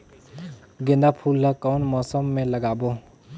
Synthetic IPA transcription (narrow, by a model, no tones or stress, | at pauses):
ɡẽnd̪apʰulːəkɔwnmɔːsəmːẽləɡaːbo